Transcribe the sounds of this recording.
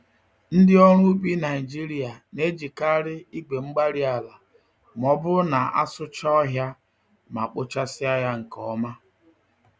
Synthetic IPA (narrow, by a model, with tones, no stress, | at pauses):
n̩˦dɪ˦ɔ˦ɾ̃ʊ˦u˦k͡pi˦na˨i˨d͡ʒi˦ɾi˦a˨ne˦d͡ʒi˨ka˦ɾɪ˦i˦ɡ͡be˨ŋ͡m̩˦ɡ͡ba˦ɾi˦a˨la˨ | m˨ɔ˦bʊ˦na˨a̰˦sʊ˦t͡ʃɔ˦ɔ˦ɦja˦ | ma˨k͡pʊ˦t͡ʃa˦sɪ˦a˦ja˦ŋ̩˨kɔ˨˦ma˦